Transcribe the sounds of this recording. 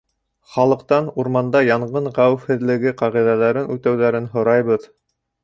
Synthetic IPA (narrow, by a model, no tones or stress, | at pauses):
χɑlˠɤ̆q̚t̪ɑnuɾmɑnd̪ɑjɑɴʁɤɴʁæwɘfhɘ̆ðlɘ̆ɡɘqɑʁiðælæɾɘnʉt̪æwðæɾɘnɦŏɾɑjβɤð